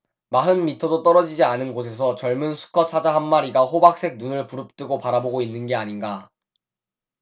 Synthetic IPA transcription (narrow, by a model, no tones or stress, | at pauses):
maɦɯnmitʰʌdot͈ʌɾʌd͡ʑid͡ʑianɯnɡos̬ʰe̞s̬ʰʌt͡ɕʌɭmunsʰu̥kʰʌsʰad͡ʑaɦanːaɾiɡahobak̚s͈e̞k̚nunɯɭpuɾɯp̚t͈ɯɡopaɾaboɡoinːɯnɡe̞aɲinɡa